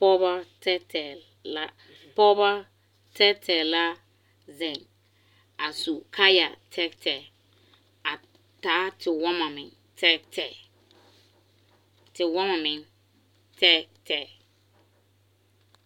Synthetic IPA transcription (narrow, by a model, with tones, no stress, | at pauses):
pɔ˦ba˦tɛ˦tɛ˨ | a˦ | pɔ˦ba˦ | tʰɛ˦tʰɛ˨la˦ | zɛ̃˨ŋ | a˨su˨kʰa˦ja̰˨tʰɛ˦ktʰɛ˨ | a˨ | taː˨˦tʰɪ˨wɔ˦ma˨mɪ˨ | tʰɛ˦tʰɛ˨ | tɪ˨wɔ˦ma˨mɪ̃˨ŋ | tʰɛ˦tʰɛ˦˨